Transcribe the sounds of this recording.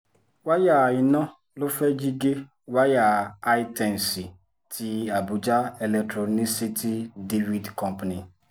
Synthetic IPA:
wa˦ja˨ɪ˨nɔ˦ | lʊ˦fɛ˦d͡ʒi˦ɡe˦ | wa˦ja˨a˦ɪ˦tɛ˨n̩˨si˨ | tʰi˨a˨bu˨d͡ʒa˦e˨lɛ˨k̚tɾɔ˨ni˦si˦ti˦de˦vi˦dkɔ̃˦mpa˨ni˨

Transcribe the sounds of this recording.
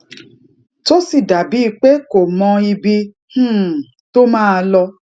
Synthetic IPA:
to˦si˦˨da˨bi˨˦i˧k͡pe˦ko˨mɔ̃˧i˧bi˧ | h̩˦˨ | to˦mãː˦˧lɔ˧

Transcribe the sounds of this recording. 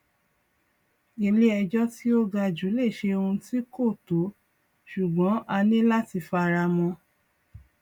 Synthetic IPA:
e˧li˦ɛ˧d͡ʒɔ˦ti˦o˦ɡa˧d͡ʒu˨˦le˦˨ʃe˧o˧ũ˧ti˦ko˦˨to˨˦ | ʃu˨ɡ͡bɔ̃˨˦ʔa˧nĩ˦la˦ti˧fa˧ɾa˧mɔ̃˧

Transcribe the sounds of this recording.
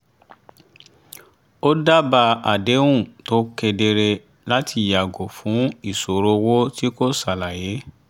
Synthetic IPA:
o˦da˦ba˧a˨de˨˦w̃ũ˦˨to˦kɛ˧de˧ɾe˧ | la˦tʰi˧˨ja˨ɡo˨fũ˨˦i˦˨so˨ɾo˧wo˦ti˦ko˦sa˨la˨je˨˦

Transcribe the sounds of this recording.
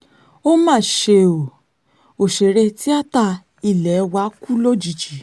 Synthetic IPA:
o˦mãː˦˨ʃe˧o˨ | o˨ʃe˨ɾe˧ti˦a˦ta˦˧ | i˦˨lɛ˨˦wa˧˦ku˦lo˦d͡ʒi˨d͡ʒi˨˦

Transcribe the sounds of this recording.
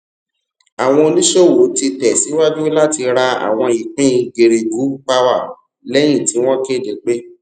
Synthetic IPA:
a˨w̃ɔ̃˧o˧nĩ˦ʃo˦˨wo˨˦ti˧tɛ˨si˨˦wa˦d͡ʒu˦la˦˨ti˧ɾa˧a̰˨w̃ɔ̃˧i˨k͡pĩ˦˧ɡe˨ɾe˨ɡu˨˦k͡pa˦wa˦˨ | lɛ˦j̃ĩ˦˨ti˨˦w̃ɔ̃˦ke˦˨de˨k͡pe˦

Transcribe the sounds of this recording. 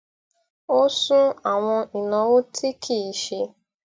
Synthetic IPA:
o˦sũ˦a˨w̃ɔ̃˧i˨nã˨˦wo˦tʰi˦kʰi˦˨ʃe˧

